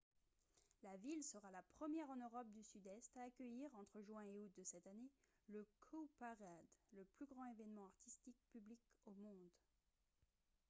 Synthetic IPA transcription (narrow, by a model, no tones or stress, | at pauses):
lavilsəʁalapχəmjɛʁɑ̃nøʁɔp̚d̪ysyd̪ɛst̪aːkʲəjiʁɑ̃t̪χəʒwɛ̃eut̪̚d̪əsɛt̪ane | ləkʰopaʁad̪ləplyɡʁɑ̃evɛnmɑ̃aʁt̪ist̪ik̚pyblikomɔ̃d̪